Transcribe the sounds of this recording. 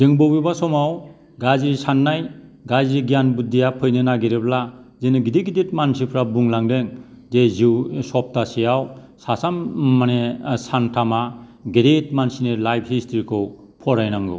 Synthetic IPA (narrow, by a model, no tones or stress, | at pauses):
zeŋbobibasɔmaw | ɡazisanːajɡaziɡijanbudijapʰɯjnɯnaɡiɾeblazenɯɡideɡidet̚mansipʰɾabuŋlaŋdeŋ | zeziwsɔp̚tasijaw | sasamːanesantʰamaɡidet̚mansinelajb̚ɦistʰiɾikʰɯw | pʰɔɾajnaŋɡṵ